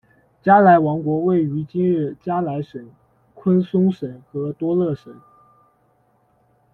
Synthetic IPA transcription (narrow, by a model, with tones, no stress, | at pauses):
t͡ɕja˥la˧˥ɪwɑ˧˥ŋkwɔ˧˥we˥˩ɪy˧˥t͡ɕi˥nɻ̩˥˩t͡ɕja˥la˧˥ɪʂə˨˩˦n | kʰwə˥nsʊ˥ŋʂə˨˩˦nxɤ˧˥t̪wɔ˥lɤ˥˩ʂə˨˩˦n